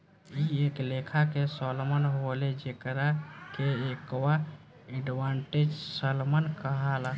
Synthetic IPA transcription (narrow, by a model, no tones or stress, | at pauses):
ieklekʰakesəlmənɦoled͡ʒekɾakeekwa | ɛɖʋaɳʈed͡ʒsəlmənkəɦala